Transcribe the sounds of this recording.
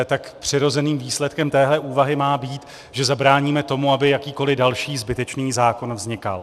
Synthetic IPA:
t̪akpr̝̥ɪɾo̞zɛniːmviːslɛt̪kɛmt̪ɛːɦlɛʔuːvaɦɪmaːbiːt̪ | ʒɛzabɾaːɲiːmɛt̪o̞muabɪjakiːko̞lɪdalʃiːzbɪt̪ɛt͡ʃniːzaːko̞nvzɲɪka̰l

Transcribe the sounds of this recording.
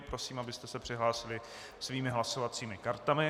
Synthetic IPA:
pɾo̞siːmabɪst̪ɛsɛpr̝̥ɪɦlaːsɪlɪ | sviːmɪɦlaso̞vat͡siːmɪkaɾt̪amɪ

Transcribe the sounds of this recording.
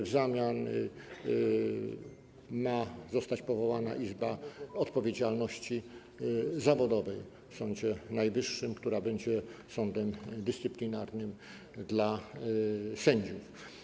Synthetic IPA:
vzamʲjan | mazɔst̪at͡ɕpɔvɔwana̰ʔizbaɔt̪pɔvʲjed͡ʑalnɔɕt͡ɕi | zavɔd̪ɔvɛj | fsɔ̃ɲd͡ʑɛnajvɘʂːɘmkt̪uɾabɛɲd͡ʑɛsɔnd̪ɛmd̪ɘst̪sɘplʲinaɾnɘm | d̪la | sɛɲd͡ʑuf

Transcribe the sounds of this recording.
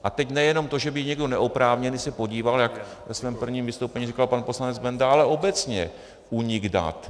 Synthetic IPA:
ʔat̪ɛcnɛjɛno̞mt̪o̞ʒɛbɪɲɛɡdo̞nɛʔopɾaːvɲɛniːsɛpo̞ɟiːvaljak | vɛsvɛːmpr̩vɲiːmvɪst̪owpɛɲirikalpanpo̞slanɛd͡zbɛndaʔalɛo̞bɛt͡sɲɛ | uɲɪɡda̰t̪

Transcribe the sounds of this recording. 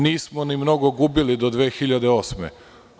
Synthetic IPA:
niːsmonimno̞ɡo̞ɡuːbilid̪od̪ʋe̞ːxiʎad̪eoːsmḛ

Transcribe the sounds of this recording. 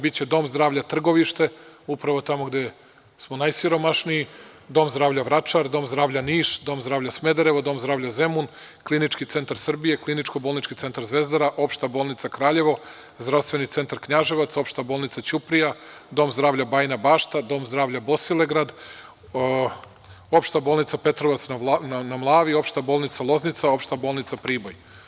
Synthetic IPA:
bitt͡ɕe̞d̪o̞ːmzd̪ɾaːʋʎat̪r̩ɡo̞ʋiʃt̪e̞upɾaʋo̞t̪amoɡd̪e | smonajsiɾo̞maʃniji | d̪o̞ːmzd̪ɾaːʋʎaʋɾat͡ʂaɾd̪o̞ːmzd̪ɾaːvʎʲaniːʃd̪o̞ːmzd̪ɾaːʋʎasme̞d̪aɾeʋod̪o̞ːmzd̪ɾaːʋʎaze̞mun | klˠinit͡ʂkit̪se̞nt̪aɾsr̩bije̞klˠinit͡ʂkobolˠnit͡ʃkit̪se̞nt̪aɾzʋe̞zd̪aɾaʔo̞pʃt̪abo̞ːlˠnit̪sakɾaːʎe̞ʋo̞ | zd̪ɾaʋst̪ʋe̞nit̪se̞nt̪aɾkɲaʒeʋat̪so̞pʃt̪abolˠnit̪sat͡ɕupɾijad̪o̞ːmzd̪ɾaːʋʎabaːjnabaːʃt̪ad̪o̞ːmzd̪ɾaːʋʎabosile̞ɡɾad̪ | o̞pʃt̪abo̞ːlˠnit̪sape̞t̪ɾoʋat̪snnnamlˠaːʋio̞pʃt̪aboːlˠnit̪salˠo̞znit̪sao̞pʃt̪abolˠnit̪sapɾiːboj

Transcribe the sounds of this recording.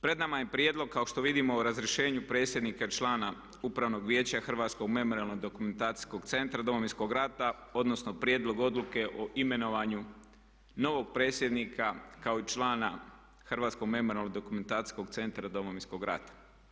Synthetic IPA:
pɾe̞d̪namajepɾʲjed̪lo̞ɡ̚kːao̞ʃt̪o̞ʋid̪imo̞ːɾazɾjeʃe̞ːɲupɾe̞t̪sje̞d̪nikat͡ʃlˠaːna | upɾaʋno̞ɡʋje̞ːt͡ɕaxr̩ʋaːt̪sko̞ɡme̞moɾialˠno̞ɡd̪o̞kument̪aːt̪i̥sko̞ɡt̪se̞nt̪ɾad̪o̞moʋinsko̞ɡɾat̪ao̞d̪no̞sno̞pɾje̞ːd̪lˠo̞ɡo̞d̪luke̞ʔoʔime̞no̞ʋaɲu | no̞ʋo̞ɡ̚pɾe̞t̪sje̞d̪nikʰakao̞it͡ʃlˠaːna | xrʋaːt̪sko̞ɡme̞moɾʲialnod̪okume̞nt̪aːt̪i̥sko̞ɡt̪se̞nt̪ɾad̪o̞moʋinsko̞ɡɾa̰t̪ḁ

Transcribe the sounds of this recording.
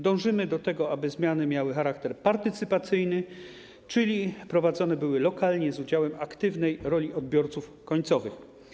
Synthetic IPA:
d̪ɔ̃w̃ʐɘmɘd̪ɔt̪ɛɡɔabɘzmʲjanɘmʲjawɘxaɾakt̪ɛɾpaɾt̪ɘt̪sɘpat̪sɘjnɘ | t͡ʂɘlʲipɾɔvad̪zɔnɛbɘwɘlɔkalɲɛzud͡ʑawɛmakt̪ɘvnɛjɾɔlʲiɔd̪̚bʲjɔɾt̪suf | kɔɲt̪sɔvɘx

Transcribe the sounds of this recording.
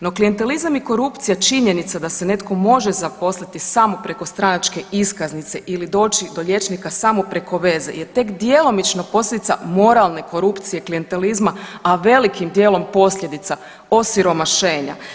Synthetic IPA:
no̞klije̞nt̪e̞lizamiko̞ɾupt̪sijat͡ʃiɲe̞nit̪sad̪ase̞ne̞t̪ko̞mo̞ʒezapo̞slit̪isamopɾe̞ko̞st̪ɾanat͡ʃke̞iskaznit̪se̞ʔilid̪o̞ːt͡ʃid̪o̞ʎe̞t͡ʃnikasamopɾe̞ko̞ʋe̞zḛje̞t̪e̞kd̪je̞lˠo̞mit͡ʃnopo̞slʲje̞d̪it̪sa̰mo̞ɾalˠne̞ko̞ɾupt̪sijeklije̞nt̪e̞lizmaaʋe̞likimd̪je̞ːlˠo̞mpo̞sʎʲe̞d̪it̪sa | o̞siɾo̞maʃe̞ːɲa̰

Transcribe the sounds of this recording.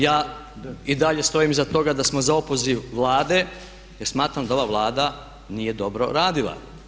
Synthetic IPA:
jaː | id̪aʎe̞st̪o̞imzat̪o̞ɡad̪asmozaopo̞ziʋʋlˠaːd̪e̞ | jeɾsmaːt̪ɾamd̪ao̞ʋaʋlˠaːd̪a | nije̞d̪o̞bɾo̞̰ɾaːd̪ilˠa̰

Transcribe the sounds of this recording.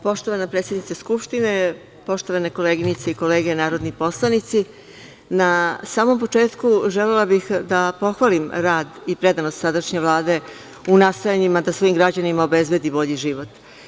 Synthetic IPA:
po̞ʃt̪o̞ʋanapɾeːt̪sjed̪nit̪eskupʃt̪ine̞ | po̞ʃt̪o̞ʋaneko̞leɡinit̪seiko̞leːɡe̞naːɾo̞d̪nipo̞slˠanit̪si | nasaːmo̞mpo̞t͡ʂe̞ːt̪kuʒelelabixd̪apo̞xʋalimɾaːd̪ipɾe̞d̪anost̪sad̪aʃɲe̞ʋlˠaːd̪e̞ | unast̪ojaɲimad̪asʋo̞imɡɾad͡ʑanimaobezbe̞d̪ibo̞ʎiʒiʋo̞t̪

